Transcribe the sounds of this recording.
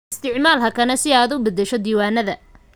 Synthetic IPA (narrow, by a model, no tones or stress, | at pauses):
ɪst̪ʰɪʕmaːlɦɐkʰɐnɐsɪaːd̪ʊbɐd̪ɛʃɔd̪iːwaːnɐðɐ